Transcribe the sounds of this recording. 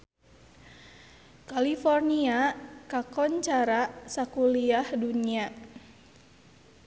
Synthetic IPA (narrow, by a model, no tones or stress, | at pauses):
kalifɔrniakakɔnt͡ʃaɾasakuliahdunia